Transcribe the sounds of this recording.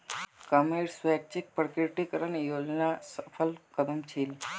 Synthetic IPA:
kameɽsʋak̚t͡ɕik̚pəɾkeɾʈikəɾanijolnasəfəlkəd̪əmt͡ɕʰiːl

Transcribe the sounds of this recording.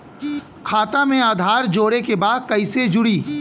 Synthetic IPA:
kʰaːt̪amẽaːd̪ʱaːɾd͡ʒoːɾekebaːd̪̚kɐɪsed͡ʒʊɽiː

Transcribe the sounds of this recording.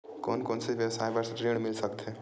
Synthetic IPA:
koːnkoːnseibewsajbəɾsʈɾeːɽ̃mɪlsəkt̪ʰe

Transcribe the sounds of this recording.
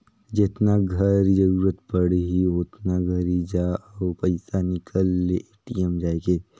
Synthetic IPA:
d͡ʒɪt̪naɡʱɐɾid͡ʒɐɾuːɾət̪pɐɽeɦiʊt̪naɡʱɐɾid͡ʒaɔːpɐɪsanɪkʰəlːeeːʈijəmd͡ʒaːeɡeː

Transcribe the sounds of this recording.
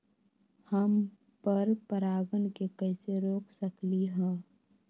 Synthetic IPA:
həm | pəɾpəɾaːɡənkekəːseɾoːkʰsəkliɦɛ̃ː

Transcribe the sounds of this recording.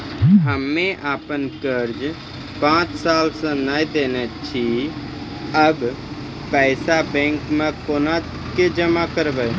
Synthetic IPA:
ɦəmẽʔaːpənkəɾd͡ʒ | pãːt͡ʃsaːlsə̃naːjd̪eːnət͡ʃʰi | əb | pɛːɪsabɛ̃ːŋkmãkoːna | ked͡ʒəmakəɾbə

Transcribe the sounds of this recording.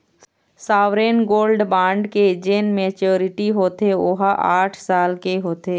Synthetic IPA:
saːʋɾeːnɡoːlɖbãːɳɖked͡ʒeːnmeːt͡ʃoːɾɪʈiɦoːt̪eoːɦaʔaːʈʰsaːlkeɦoːt̪eː

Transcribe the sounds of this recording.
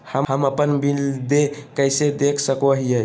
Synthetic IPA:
həɦəməpənbild̪ekəjsed̪ekʰsəkoɦijə

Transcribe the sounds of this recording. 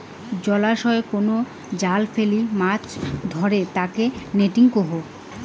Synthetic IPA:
d͡ʑɔlaʃɔekono | d͡ʑalfelimat͡ɕd̪ʱɔɾet̪akeneʈiŋkoɦo

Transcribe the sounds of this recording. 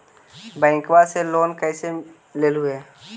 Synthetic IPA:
bɛ̃ːŋkwaseloːnkɛːse | leːlɦʊe

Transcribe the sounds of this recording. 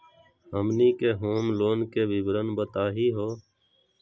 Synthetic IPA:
ɦəmniːkeːɦoːmloːnkeːʋɪbɾənbət̪aːɦiːɦoː

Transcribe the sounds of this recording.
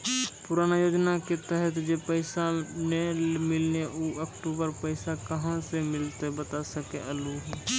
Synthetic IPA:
pʊɾaːnajoːd͡ʒnaket̪ɛɦət̪d͡ʒepəɪsanemɪlneʔuːəkʈuːbəɾpəɪsakəɦãsemɪlt̪ebət̪asəkeʔəluɦɛː

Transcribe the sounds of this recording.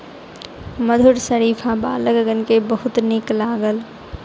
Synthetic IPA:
məd̪ʱuɾsəɾipʰãbaːləɡɡənkebəɦut̪niklaːɡəl

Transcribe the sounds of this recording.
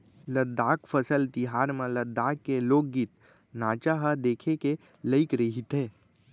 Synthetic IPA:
ləd̪aːkfʰəsəlt̪ɪɦaːɾmẽləd̪ːaːkːeloːk̚ːit̪ | naːt͡ʃaɦad̪eːkʰeke | ləɪkɾəɦit̪eː

